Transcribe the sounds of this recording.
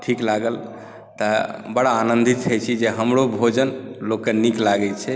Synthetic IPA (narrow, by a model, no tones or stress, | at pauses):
ʈʰiklaɡəl | t̪əbəɽaːnənd̪ʱit̪ʰət͡ʃʰid͡ʒeɦəmɾobʱod͡ʒənlokːeniklaɡɛt͡ʃʰɛ